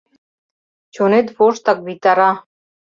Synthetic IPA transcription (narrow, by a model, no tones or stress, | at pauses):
t͡ɕonet̪βoʃt̪ɑk̚βit̪ɑɾɑ